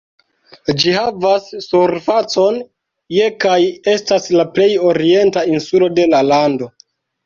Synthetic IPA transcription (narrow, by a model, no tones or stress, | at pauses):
d͡ʒihavasːuɾfat͡so̞n | je̞kaje̞staslaple̞jo̞ɾie̞ntainsulo̞de̞lalando̞